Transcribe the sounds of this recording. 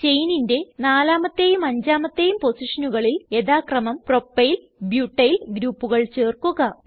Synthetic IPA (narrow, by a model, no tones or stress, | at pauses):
t͡ɕe̞jninde̞naːlaːmɐt̪ːejumɐɲd͡ʑaːmɐt̪ːe̞jumpo̞siʂɐnuɣɐɭile̞ðaːkrɐmɐmpro̞pːɐjl | bjuːʈːɐjlɡɾuːpːuɣɐɭt͡ɕe̞ːrkuɣɐ